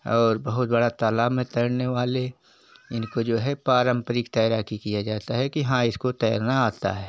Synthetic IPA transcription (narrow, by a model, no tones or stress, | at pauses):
ɔːɾbɐɦʊt̪̚bɐɽat̪aːlaːẽt̪əɽneʋaːle | ɪnkod͡ʒoːɦɛpaːɾə̃mpɾɪkt̪aːɾaːkikijad͡ʒaːt̪aɦɛkiɦãɪskot̪ɛjaɾnaaːt̪a̰ɦɛː